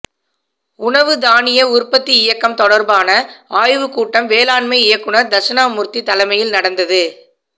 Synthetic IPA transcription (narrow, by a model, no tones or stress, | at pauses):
ʊɳɐʋɯd̪aːnɪjɐʊɾpɐt̪ːiɪjɐkːɐmt̪ɔɽɐɾbaːnɐaːjʋɯkuːʈːɐmʋeːlaːɳmɐɪɪjɐkːɯɳɐɾd̪ɐɾʂɐnaːmʊɾt̪ːit̪ɐlɐɪmɐjɪlnɐɽɐnd̪ɐðɯ